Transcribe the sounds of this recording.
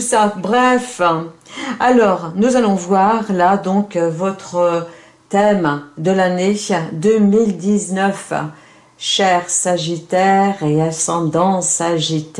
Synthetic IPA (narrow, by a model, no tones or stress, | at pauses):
sabʁɛf | alɔʁnuzalɔ̃vwaʁlad̪ɔ̃kvɔt̪χə | t̪ɛmd̪əlaned̪ømild̪iznœf | ʃɛʁsaʒit̪ɛʁeasɑ̃d̪ɑ̃saʒit̪